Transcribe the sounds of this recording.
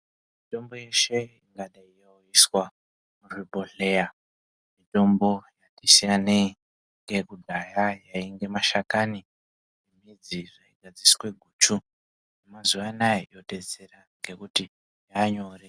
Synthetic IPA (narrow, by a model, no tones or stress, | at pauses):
mito̞mbo̞je̞ʃe̞iŋɡaɗaijauiswa | muripo̞ɬe̞ja | mito̞mbo̞jatisijane | ŋɡe̞kudʱajajaiŋɡe̞maʃakani | imid͡ziʐaiɡʱad͡ziswe̞ɡʱuːt͡ʃu | nnemazuʋanaijote̞d͡ze̞raŋɡe̞kuti | jaɲo̞ːre